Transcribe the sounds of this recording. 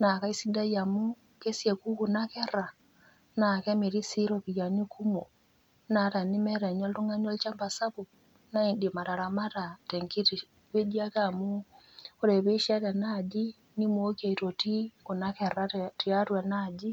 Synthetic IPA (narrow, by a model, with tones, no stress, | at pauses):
na˨ka˦i˦si˦nda˦ja˨mu˦ | ke˦sjɛ˨ku˦ku˨na˦kɛ˦ɾa˨ | na˨kɛ˦me˨ɾi˦si˦ɾɔ˨βi˨ja˨ni˦kʰu˦mo˨ | na˨˦ta˨ni˦mɛ˦ɾɛ˨ɲɔ˦ltu˦ŋa˦ni˦ɔ˦lt͡ʃa˦mba˨sa˦βu˨ | na˦i˨ndi˨ma˨ɾa˨ɾa˨ma˦ta˨tɛ˨ŋki˦ti˨ | βe˦d͡ʒi˦a˦ka˨mu˦ | o˦ɾɛ˨βe˦ʃi˦a˦ɾa˨nad͡ʒi˦ | ni˦m˦o˦kja˨i˨to˨ti˦ko˨na˦kɛ˨ɾa˦ti˨a˦twa˨nad͡ʒi˦